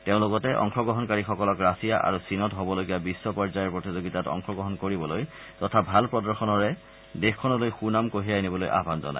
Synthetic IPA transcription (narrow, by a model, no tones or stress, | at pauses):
teʊ̃lʊɡɔtɛʔɔ̰ŋxɔɡɔɦɔnkaɹixɔkɔlɔkɹasijaʔa̰ɹusinɔtɦobɔloɡijabisːɔpɔɹzajɔɹpɹotizoɡitatɔ̰ŋxɔɡɹɔɦɔnkoɹibɔloj | tɔtʰabʱalpɹɔdɔɹxɔnɔɹɛ | dexkʰːɔnɔlojxunamkoɦiajnibɔlojʔa̰bʱanzɔ̰na̰j